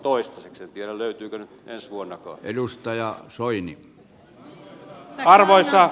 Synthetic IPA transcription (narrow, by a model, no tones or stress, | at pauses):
t̪oist̪ɑseksent̪ieɾæløyt̪yːkønyt̪ensʋuonːɑkɑ̰ːʔelust̪ɑjɑsoini | ɑrʋoisːɑ